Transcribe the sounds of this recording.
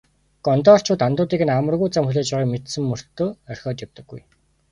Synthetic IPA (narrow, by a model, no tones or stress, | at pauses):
ɡ̥ɔnt̪ɔːr̥t͡ɕʰʊːt̪ant̪ʊːt̪iːɡɘ̆namə̆rɣujt͡samxuɮeːt͡ɕpæːʁɔːkmet̪sɘ̆mːɵr̥t̪ːoːœr̥xʲɔːt̪jawt̪ə̆ɡːṵj